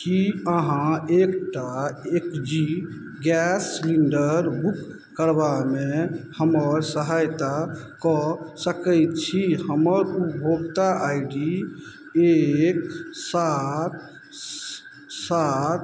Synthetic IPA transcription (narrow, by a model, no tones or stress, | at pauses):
kiəɦãekʈaekd͡ʒi | ɡɛsːliɳɖəɾbukː | əɾbamehəməɾsəɦajt̪akɔsəkəjt̪t͡ʃʰihəməɾupbʱoɡt̪aʔajɖi | eksat̪̚ | sat̪